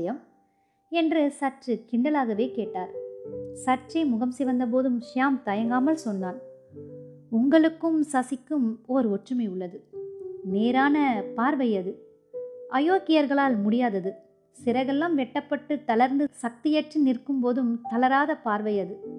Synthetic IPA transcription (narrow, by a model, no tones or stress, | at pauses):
jɐm | ɛndrɯsɐʈrɯkɪɳɖɐlaːɣɐʋeːkeːʈːaːɾsɐʈʈt͡ʃːrɐɪmʊɣɐmsɪʋɐnd̪ɐp̬oːðɯmʂaːmt̪ɐjɐŋɡaːmɐlsɔnːaːn | ʊŋɡɐɭɯkːɯmsɐsɪkːɯmɔɾɯɔʈrɯmɐɪʊɭːɐðɯneːɾaːnɐpaːɾʋɐjɐðɯ | ʔɐjoːkɪjɐɾɣɐɭaːlmʊɽɪjaːðɐðɯ | sɪɾɐɪɣɐlːaːmʋɛʈːɐpːɐʈːɯt̪ɐlɐɾnd̪ɯsɐk̚t̪ɪjɛʈrinɪrkːɯmpoːðɯmt̪ɐlɐɾaːðɐpaːɾʋɐjɐðɯ